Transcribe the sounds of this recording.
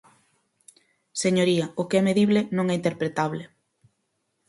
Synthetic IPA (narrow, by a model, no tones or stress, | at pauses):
seɲoɾiɐʊkeɛmeðiβlenõŋɛint̪eɾpɾet̪aβle